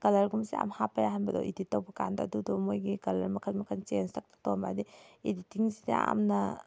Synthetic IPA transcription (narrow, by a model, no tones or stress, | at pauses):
ɡ̥ɐlɐɾɡumsia̰mhapajaɦanbadɔ̰ʔiditːawbɐka̰nda̰dudɔmojɡikɐlɐɾmɐkʰatmɐkʰant͡ʃenstak̚tʰḁk̚tɔwmba̰diiditːiŋsidḛa̰mna